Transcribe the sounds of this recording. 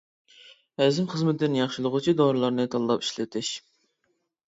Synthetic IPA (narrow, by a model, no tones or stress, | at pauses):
ɛzɪmχəzmɪt̪ʰɪɪnjɑχʃilˠʊʁʊt͡ʃʰid̪oɾɨlˠɑɾnɨt̪ʰɑlˠːɑpi̥ʃlɪt̪ʰɪʃ